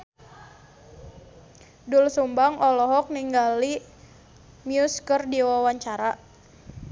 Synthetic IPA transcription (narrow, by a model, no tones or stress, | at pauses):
dulsumbaŋʔɔlɔɦɔk̚niŋɡali | mjuskərdiwawaɲt͡ʃaɾaʔ